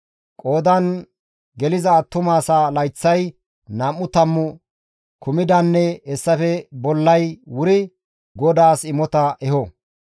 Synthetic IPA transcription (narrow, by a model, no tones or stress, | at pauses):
kʼoːd̪ɐn | ɡɛlɪzɐːt̪ːʊmaːsalɐjt͡sːɐj | nɐmːʊt̪ɐmːʊ | kʊmɪd̪ɐnːɛɛsːɐfɛbɔlːɐjwʊɾɪ | ɡɔd̪aːsɪmɔt̪ɐʔɛɦɔ